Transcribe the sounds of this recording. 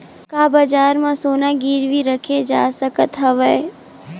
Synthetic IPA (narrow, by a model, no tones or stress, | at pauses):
kaːbəd͡ʒaːɾmãsoːnaɡiːɾʋiɾəkʰed͡ʒa̰ːsəkət̪ɦɐʋə